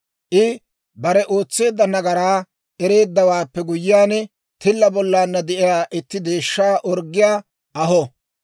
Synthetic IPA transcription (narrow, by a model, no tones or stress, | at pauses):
ʔɪ | bɐɾɛʔoːt͡sːe̞ːd̪ːɐnɐɡɐɾaː | ʔɛɾe̞ːd̪ːɐwaːpːɛɡʊjɪːjaːnɛ | t̪ɪlːɐbɔlːaːnːɐd̪ɛʔɪjaːʔɪt̪ːɪd̪e̞ːʃːaːʔɔɾɡːɪjaː | ʔɐɦɔ